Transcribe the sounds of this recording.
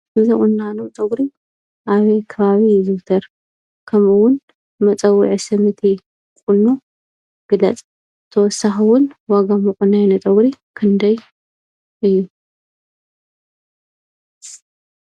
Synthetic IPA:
ɨzɐkʼunːanot̪ʼɐɡɾi | ʔaβɐjkʰɐβaβizɨɾt̪ʰɐɾ | kʰɐmɨwʊn | mɐt͡sʼɐwːḭʕisɐmɨt̪ʰi | kʼʊnːu | ɡ̥ɨlɐt͡sʼ | t̪ʰɐwɔsːaxɨwʊnwaɡamɐkʼʊnːajnot̪ʼɐɡɾikʰɨnd̪ɐj | ʔɨjːu

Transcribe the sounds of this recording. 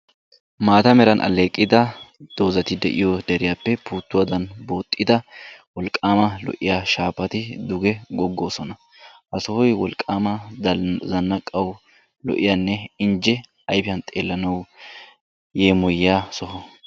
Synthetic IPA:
maːt̪ɐmɛɾɐnʔɐ̰lːe̞ːkʼːɪd̪ɐd̪̥o̞ːzɐt̪ɪd̪ɛʔɪjɔd̪ɛɾɪjaːpːɛpuːt̪ːʊwɐd̪ɐnbo̞ːt̪ʼːɪd̪ɐwɔlkʼːaːmɐlɔ̰ʔɪjaːʃaːpːɐt̪ɪd̪ʊɡɛɡɔɡːo̞ːsɔnɐ | ʔɐsɔhɔjwɔlkʼːaːmɐ | zɐnːɐkʼːɐw | lɔ̰ʔɪjanːɛɪnd͡ʒɛ | ɐjpɪjɐnt̪ʼe̞ːlːɐnɐw | jeːmɔjaːsɔɦɔ

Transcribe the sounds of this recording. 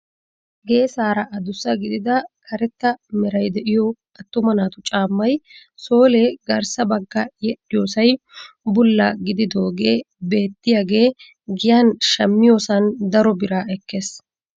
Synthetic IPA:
ɡe̞ːsaːɾɐʔɐd̪ʊsːɐɡɪd̪ɪd̪ɐkʰɐɾɛt̪ːɐmɛɾɐjd̪ɛʔɪjɔ | ɐt̪ːʊmɐnaːt̪ʊt͡ʃʼaːmːɐjso̞ːleːɡɐɾsɐbɐɡːɐjɛɗɪjo̞ːsɐj | bʊlːɐɡɪd̪ɪd̪o̞ːɡe̞ː | be̞ːt̪ːɪjaːɡe̞ː | ɡɪjanʃɐmːɪjo̞ːsɐnd̪ɐɾɔbɪɾaːɛkːe̞ːs

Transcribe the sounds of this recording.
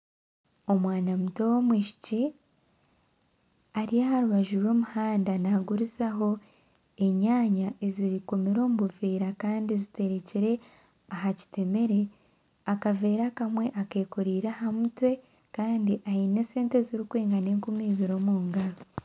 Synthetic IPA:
o̞mwaːnamuto̞womwiːʃi̥ci | aɾiaɦaɾuβaʒuɾwo̞ːmuhaːndanaɡuɾizaɦo̞ | e̞ɲaːɲaʔeziɾiko̞meɾo̞ːmuβuveːɾakaːndizite̞ɾe̞ciɾe̞ | aɦaci̥te̞me̞ɾe̞ | akave̞ːɾakamwe̞ʔake̞ːkoɾiːɾaɦamutwe̞ | kaːndiʔahine̞se̞ːnte̞ziɾikweːŋɡaneːŋkumiːβiɾo̞muːŋɡaɾo

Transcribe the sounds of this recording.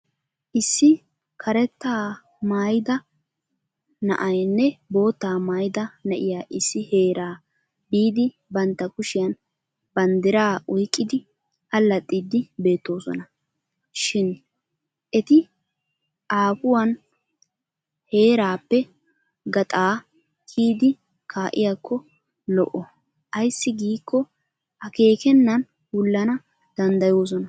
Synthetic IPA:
ʔɪsːɪ | kʰɐɾɛt̪ːaː | maːjɪd̪ɐ | nɐ̰ʔɐjnːɛbo̞ːt̪ːaːmaːjɪd̪ɐnɐʔɪjaːʔɪsːɪhe̞ːɾʔaː | biːd̪ɪ | bɐnt̪ːɐkʊʃɪjɐn | bɐnd̪ɪɾaːʔɔjkʼːɪd̪ɪ | ʔɐlːɐt̪ʼːiːd̪ɪbe̞ːt̪ːo̞ːsɔ̰nɐ | ʃɪn | ʔɛt̪ɪ | ʔaːpʊwɐn | he̞ːɾaːpːɛ | ɡɐt̪ʼaː | kʰiːd̪ɪ | kʰaːʔɪjakːɔ | lɔ̰ʔɔ | ʔɐjsːɪɡiːkʰːɔ | ʔɐke̞ːkɛnːɐn | wʊlːɐnɐ | d̪̥ɐnd̪ɐjo̞ːs̬ɔnɐ

